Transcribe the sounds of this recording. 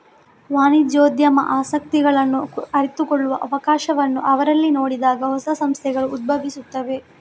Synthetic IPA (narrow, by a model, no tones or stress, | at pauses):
ʋaːnid͡ʒoːd̪jɐmɐ̰ʔaːsɐk̚t̪iɡɐɭɐnːuɐɾit̪ukɔɭːuʋɐʔɐʋɐkaːʃɐʋɐnːuʔɐʋɐɾɐlːino̞ːɽid̪aːɡɐɦɔsɐsɐmst̪ʰɛɡɐɭuːd̪̚bʱɐʋisut̪ːɐʋe̞